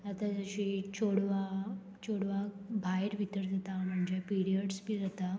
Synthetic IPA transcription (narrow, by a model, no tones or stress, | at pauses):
at̪ad͡zəɕit͡ɕoɽʋa | t͡ɕoɽʋabʱajɾbʱit̪əɾd͡zat̪am̤əɳd͡ʑepiɾiəɽspid͡zat̪a